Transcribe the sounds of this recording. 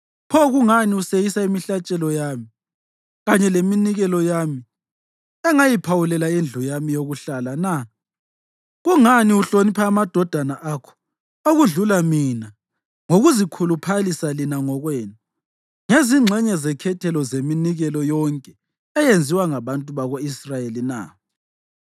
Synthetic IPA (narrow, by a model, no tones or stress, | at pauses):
pʰɔɣuŋaniusejisaimiɬat͡ʃʼɛlɔjami | ɣaɲɛleminiɣɛlɔjami | ɛŋajipʰawulɛlaend͡ɮʱujamijoɣuɬalana | ɣuŋaniuɬonipʰaːmad̥ʱɔd̥ʱanaʔakʰɔ̥ | oɣuɮulamina | ŋoɣuzikʰulupʰalisalinaŋɔɣwɛːna | ŋeziŋ͡ǁʱɛɲɛzɛkʰɛtʰɛlɔzeminiɣɛlɔjɔŋkʼɛ | ɛjend͡zʱiwaŋaβantʼuβaɣoisrajelina̰